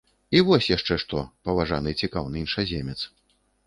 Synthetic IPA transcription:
ivɔsʲjaʂt͡ʂɛʂt̪ɔpɐvaʐa̰nɨt͡sʲikawnɨinʂazʲemʲɛt̪s

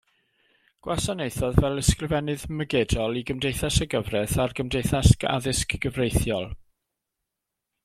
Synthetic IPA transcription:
ɡ̥wasanejθɔðvɛlˠəskrəvɛnɨðməɡɛdɔlˠiɡəmdejθasəɡəvrɛðarɡəmdejθasa̰ðɪskɡ̥əvrejθjɔlˠ

